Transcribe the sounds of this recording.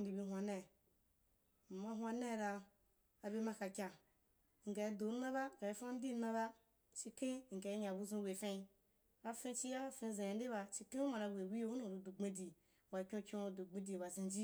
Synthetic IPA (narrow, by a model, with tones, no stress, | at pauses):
n˦di˨bi˧ɦʷa˨nɛ˦˨ | ma˨˧ɦwa˧ne˦˨ɾaː˧˨ | be˦ma˧ka˨kʲa˨ | ŋ̩˨ɡa˨i˨do˨˦na˦ba˦˨ɡa˨i˨˦fa˦n˦di˦na˦ba˦ | t͡ʃi˧kẽ˦˨ŋ̩˨ɡa˨i˦ɲa˨bu˦zũ˦we˨fẽ˧ | a˨fẽ˦˧t͡ʃi˦ja˦a˨fẽ˧˨zẽ˨ja˨n˦i˦ba˧t͡ʃi˧kẽ˦u˦ma˨ɾa˧we˨wi˦o˦u˦nũ˨ɾu˨du˨ɡ͡be˦di˨ | wa˨kʲũ˦kʲũ˦˧˨du˨ɡ͡be˦di˨ba˨zĩ˧nd͡ʒi˦